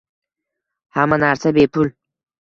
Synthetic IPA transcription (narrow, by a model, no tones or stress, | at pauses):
hamanaɾsabepʰʊl